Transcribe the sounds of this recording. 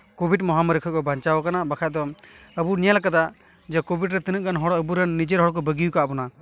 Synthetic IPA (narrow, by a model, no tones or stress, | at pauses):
kobʱiʈmɔɦaməɾikʰɔkɔbʱaɲt͡ʃawakanabakʰad̪ɔ | əbunijalakad̪a | d͡ʒɛkobʱiɖɾɛt̪inəʔ̚kanɦɔɽəbuɾɛnːid͡ʒɛɾɦɔɽk̬ɔbəɡijukaʔbɔna